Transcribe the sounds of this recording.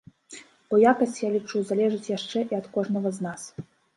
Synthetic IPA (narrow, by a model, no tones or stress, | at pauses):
b̥ɔjakɐsʲt͡sʲjalʲit͡ʂuzalʲɛʐɨt͡sʲjaʂt͡ʂɛʔiɐt̪kɔʐnɐɣɐznas